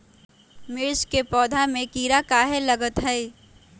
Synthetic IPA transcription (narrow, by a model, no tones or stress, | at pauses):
mɪɾskepɔːd̪ʱamẽkiːɾakaːɦeləɡət̪ɦɛi